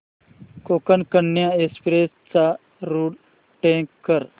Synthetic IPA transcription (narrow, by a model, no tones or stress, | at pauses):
kokənkəɳːjaespɾest͡sa | ɾuːɽ | ʈẽkkːəɾ